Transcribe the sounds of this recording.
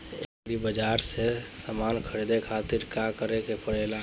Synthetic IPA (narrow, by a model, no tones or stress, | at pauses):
ekɾibəd͡ʒaɾsesəmaːnkʰəɾid̪ekʰat̪iɾkakəɾekepəɽela